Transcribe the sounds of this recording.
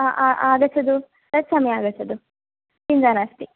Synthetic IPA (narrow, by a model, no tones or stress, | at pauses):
ʔaʔaːɡɐt͡ʃʰːɐd̪u | t̪ɐt̪sɐmɐjaaːɡɐt͡ʃʰːɐd̪u | kind͡ʒaːnaːst̪i